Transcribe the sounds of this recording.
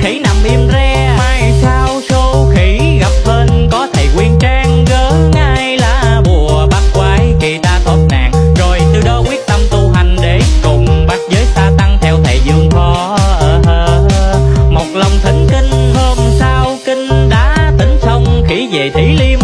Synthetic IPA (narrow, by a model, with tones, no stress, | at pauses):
xi˨˦na˨˩mʔi˧əmzɛ˧maː˧jsaː˧wso˧xi˧˦ɣa˨˩p̚ɓeː˧nkɔ˨˦t̪ʰə˨˩jkwi˧ənt͡ɕaː˧ŋɣəː˨˦ŋaː˧jjlaː˨˩ɓu˨˩əɓaː˧nkwaː˨˦jki˨˩t̪aː˧t̪ʰwəː˦˥t̚na̰ː˧˨ŋzo˨˩jt̪ɨ˧ɗɔ˧kwi˦˥ət̚t̪ə˧mt̪u˧ɦa˨˩jŋ̟ɗe˧˩˦kʊ˨˩ŋ͡mɓa˨˦˥t̚zəː˨˦jsaː˧t̪a˧ŋt̪ʰɛ˧wt̪ʰe˨˩jzɨ˧əŋfɔ˨˦ʔəː˨˩əː˧ | mo˨˩t̚lə˨˩wŋ͡mt̪ʰi˨˦ŋ̟ki˧ŋ̟həː˧nsaː˧wki˧ŋ̟ɗaː˧˥t̪ï˨˦ŋ̟sə˧wŋ͡mxi˧˥ve˨˩t̪ʰi˨˦li˧əm